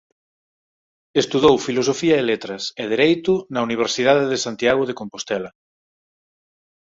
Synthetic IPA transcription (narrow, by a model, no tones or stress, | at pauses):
est̪uðowfilosofiɐelet̪ɾɐsɛðeɾejt̪ʊnɐuniβ̞eɾsiðaðeðesant̪jaɣʊðekompost̪ɛlɐ